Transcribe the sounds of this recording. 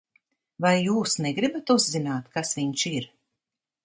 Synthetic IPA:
vajːuːsnɛɡɾibat̪uzzinaːt̪kasviɲʃiɾ

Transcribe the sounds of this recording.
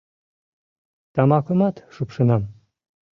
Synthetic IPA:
t̪ɑmɑkomɑt̪ʃupʃɤ̆nɑm

